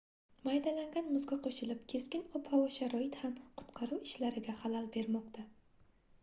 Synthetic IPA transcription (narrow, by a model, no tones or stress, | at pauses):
majd̪alaŋɡʲanmʊzɡʲaqʰoʃɪlɪp̚kʲʰe̞skʲɪnɒpʰhɒvaʃaɾɒɪt̪hamqʰʊ̥t̪qʰɑɾuwɪʃlaɾɪɡʲahalalˠbe̞ɾmɒqt̪ʰa